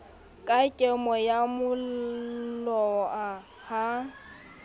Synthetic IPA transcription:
kʼakʼemɔjamʊ | lɔa | ha

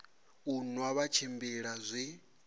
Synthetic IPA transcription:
unuwaβat͡ʃʰimbiɺazʷi

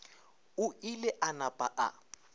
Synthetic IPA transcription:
ʊilɛʔanapʼa̰ʔa̰

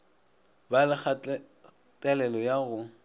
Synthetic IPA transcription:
balɪk͡xa | tʼɛlɛlɔjaɣʊ

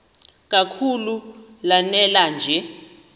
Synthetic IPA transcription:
k̬ʼakʰulu | lanɛland͡ʒʱɛ

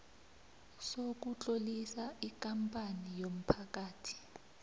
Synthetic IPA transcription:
sok̬ut͡ɬʼolisaik̬ʼampʼanijom̩pʰakaːtʰi̥

